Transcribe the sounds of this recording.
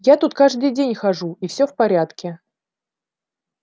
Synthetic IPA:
jat̪ut̪kaʐd̪ɨjdʲenʲxɐʐuifsʲɵfpɐɾʲat̪kʲɪ

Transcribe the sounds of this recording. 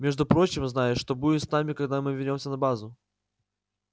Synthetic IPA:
mʲeʐd̪ʊpɾo̞t͡ɕɪmznajɪʂt̪o̞budʲɪt̪snamʲɪkɐɡd̪amɨvʲɪrʲnʲo̞msʲənɐbazʊ

